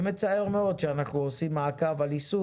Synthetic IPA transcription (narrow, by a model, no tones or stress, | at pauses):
me̞t͡saeʁmeo̞d̪ʃeanaχnuosimːaːkavalisu